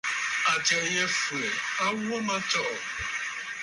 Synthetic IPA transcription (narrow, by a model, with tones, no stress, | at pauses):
a˨t͡ʃɛ˨je˦flɛ˨a˦wɔ˦mã˦t͡ʃɔ˦ʔɔ˨